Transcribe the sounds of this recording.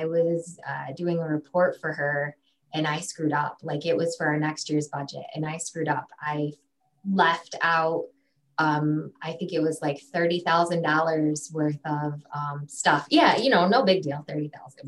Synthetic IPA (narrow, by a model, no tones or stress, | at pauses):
aɪwʌzʌ̰dʉɪ̃ŋəɹɨpʰɔɹtfə˞ə˞ | ʔɨ̃naɪskɹʉɾʌ̰plaɪkɨʔ̚wʌz̥fə˞aə˞nɛkst̚jɪɹzbʌd͡ʒɨ̰tɨ̰̃naɪskɹʉɾʌpaɪ | lɛftʰaʊt̚ | ʌ̃maɪθɪ̃ŋkɨt̚wʌzlaɪkθɜ˞ɾiθaʊzɨ̃ndɔlˠə˞z̥wɜ˞θʌv̥ʌ̃mstʌfjæjɨñoʊnoʊbɪɡ̚dilˠθɜ˞ɾiθa̰ʊzɨ̃n